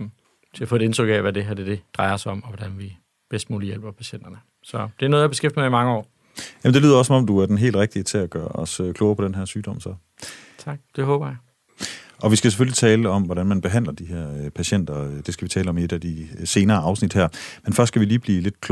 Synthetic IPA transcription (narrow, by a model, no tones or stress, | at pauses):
t͡sʰe̝æfɔ̽ede̝nt͡sʰʁœɡ̥ɛʋæde̝ɦæɐd̥ed̥e̝d̥ʁɑ̈ɪɐsɒ̽mɒʋɒd̥ænʋi | b̥esd̥muːlijel̰b̥ɐpʰæɕen̰d̥ɐnə | sɒ̽d̥e̝æɐnoð̞ˠjɑ̈be̝sɡ̥efd̥əmɑimɑ̈ŋəɒ̰ː | jæmn̩d̥lyðˠɐɒsɒmɒ̽md̥uæɐd̥enɦe̝̰ːld̥ʁeɡ̥̚d̥iət͡sʰe̝æɡ̥ɶːɐʔɒ̽søkʰlɔʊɐpʰɒ̽d̥enɦæɐ̰syːd̥ɒ̽m̰sɒ̽ | t͡sʰɑ̈ɡ̥̚d̥e̝ɦɔːb̥ɐjä | ʔɒ̽ʋisɡ̥æsefølit͡sʰɛːləɒ̽mʋɒɾænmænb̥e̝ɦæn̰lɐd̥iɦeɐ̰pʰæɕen̰d̥ɐd̥e̝sɡ̥æʋit͡sʰɛːləɒ̽me̝d̥æd̥ise̝ːnɐːɑ̈ʊsnid̥hæɐ̰menfɶɐ̰s̚ɡ̥æʋiliːb̥liːle̝d̥̚kʰ